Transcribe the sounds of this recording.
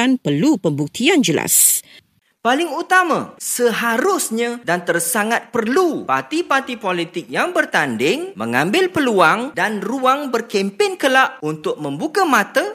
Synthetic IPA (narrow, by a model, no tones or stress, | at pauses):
anpərlupəmbuk̚t̪iand͡ʒəla̰s | palɪŋut̪ama̰səɦaɾʊsɲãdant̪ərsaŋat̪̚pərlupa̰rt̪ipart̪ipolit̪ɪk̚jaŋbərt̪andɪŋmə̰ŋambɪlpəluaŋdanruaŋbərkɛmpɪnkəlaʔunt̪ʊk̚mə̃mbukamãt̪ə